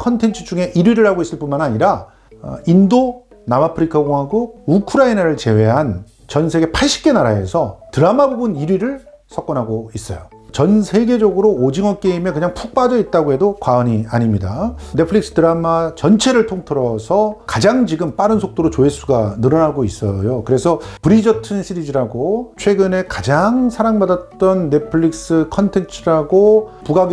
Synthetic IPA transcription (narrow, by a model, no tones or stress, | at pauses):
kʰʌntʰe̞nt͡ɕʰɯ̥d͡ʑuŋe̞ʔiɾɥiɾɯɭhaɡois͈ɯɭp͈unmanaɲiɾa | indo | namapʰɯɾikʰaɡoŋɦaɡoukʰɯɾainaɾɯɭt͡ɕe̞we̞ɦan | t͡ɕʌnsʰe̞ɡe̞pʰaɭɕ͈i̥p̚k͈e̞naɾae̞̰sʰʌtɯɾamabobɯniɾɥiɾɯɭ | sʰʌk͈ʌnɦaɡois͈ʌ̰jo | t͡ɕʌnsʰe̞ɡe̞d͡ʑʌɡɯɾoːd͡ʑiŋwʌk͈e̞ime̞kɯɲaŋpʰuk̚p͈ad͡ʑʌit̚t͈aɡoɦe̞dokwaʌɲiaɲimɲidanepʰɯɭik̚s͈ɯ̥tɯɾamat͡ɕʌnt͡ɕʰe̞ɾɯɭtʰoŋtʰɯɾʌsʰʌkad͡ʑaŋd͡ʑiɡɯmp͈aɾɯnsʰok̚t͈oɾot͡ɕoɦes͈uɡanɯɾʌnaɡois͈ʌjokɯɾe̞sʰʌpɯɾid͡ʑʌtʰɯnɕʰiɾid͡ʑiɾaɡot͡ɕʰwe̞ɡɯne̞kad͡ʑaŋsʰaɾaŋbadat̚t͈ʌnːe̞pʰɯɭik̚s͈ɯkʰʌntʰe̞nt͡ɕʰiɾaɡopuɡaɡ